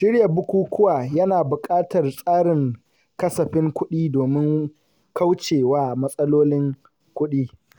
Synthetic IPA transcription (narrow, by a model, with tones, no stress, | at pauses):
ʃɪ˦ɾjɐ˨bʊ˦kʷuː˦kʷʰʊ˦waː˨jɐ˦naː˨bʊ˨kʼaː˦tɐ˨rsʼaː˦ɽɪ˨ŋ | kɐ˦sɐ˨ɸɪ˦ŋkʷʊ˦ɗiː˦doː˨mɪ˦ŋ | ka˦wt͡ʃeː˨waː˦mɐ˦sʼɐ˦loː˦lɪ˦ŋ | kʷʊ˦ɗiː˦